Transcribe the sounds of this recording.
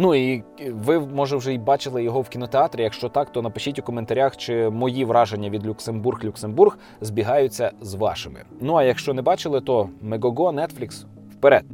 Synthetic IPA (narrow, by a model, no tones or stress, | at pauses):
nuiʋɪmɔʒɛwʒɛibɑt͡ʃɪlˠɪjɔɦɔwkʲinɔt̪eɑt̪ɾʲɪjɐkʃt͡ʃɔt̪ɑkt̪ɔnɐpɪʃitʲʊkɔment̪ɐɾʲaxt͡ʃɪmɔjiʋɾɑʒenʲːɐʋʲid̪lʲuksemburɣlʲuksemburɣ | zbʲiɦɑjʊt͡sʲːɐzʋɑ̰ʃɪmɪ̰nuɐjɐkʃt͡ʃɔnɛbɑt͡ʃɪlˠɪt̪ɔmeɡɔɡɔnɛt̪flʲiks | wpeɾɛd̪̥̚